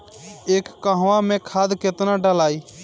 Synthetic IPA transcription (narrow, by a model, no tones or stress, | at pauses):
eːkːəɦʋãmẽkʰaːd̪ket̪naɖəlaːiː